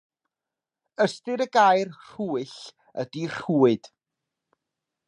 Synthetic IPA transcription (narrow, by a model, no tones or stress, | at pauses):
əstɨɾəɡajrr̥uːɨɬ | ədir̥uːɨd̥